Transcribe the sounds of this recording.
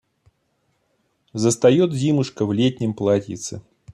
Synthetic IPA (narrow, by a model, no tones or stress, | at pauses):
zəst̪ɐjɔt̪̚dʲimɨʂkəvlʲetʲnʲɪmplˠatʲɪ̰t̪sɨ